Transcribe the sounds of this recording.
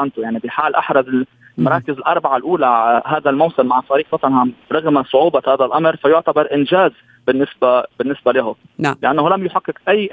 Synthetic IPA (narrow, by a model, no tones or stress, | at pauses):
ant̪ʊjaʕnibɪħaːlʔaħɾˤɑzɪl | mɑɾˤɑːkɪzɪlʔɑɾˤbaʕalʔuːlaɦaːd̪almawsɪmːaʕt̪ˤɑːɾiːqfɑt̪ˤɑnʕamɾˤɑɣmasˤʊʕuːbɑhaːðalʔamɾfajʊʕt̪abɑɾˤʔɪnʒaːz | bɪnːɪsbabɪnːɪsbalɪɦʊ | lɪʔanːhʊlamjʊħaqːɪkʔajː